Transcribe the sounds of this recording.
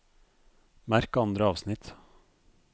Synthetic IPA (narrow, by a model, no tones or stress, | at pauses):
mæɾkoːɑnd̪ɾəɑːʋsnɪt̪